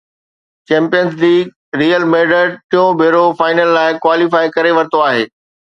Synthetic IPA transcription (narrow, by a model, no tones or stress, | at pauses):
t͡ɕɛ̃ːmpijənzliːɡ̚ | ɾiːəlmeːɖəɾʈ̪ijõbʱeːɾofaːɪnəlːaːɪkwaːlifaːikɐɾeʋɐɾɪt̪oaːɦeː